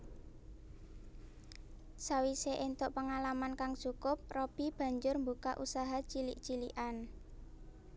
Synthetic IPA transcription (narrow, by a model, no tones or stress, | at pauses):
sawiseʔent̪ʊʔpəŋalamankaŋt͡ʃukʊp̚rob̥i̤b̥ä̤ɲd͡ʒʊrmbukaʔusaɦat͡ʃiliʔt͡ʃiliʔan